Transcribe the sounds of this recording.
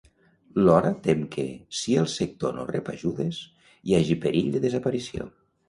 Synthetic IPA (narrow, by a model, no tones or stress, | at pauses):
lɔɾət̪emkʰḛsiəlˠsek̚t̪ono̰repaʒuðes | iaʒipəɾiʎd̪əðezapaɾisio̰